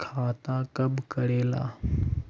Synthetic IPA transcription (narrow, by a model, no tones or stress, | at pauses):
kʰaːt̪aːkɐbkɐɽeːla̰ː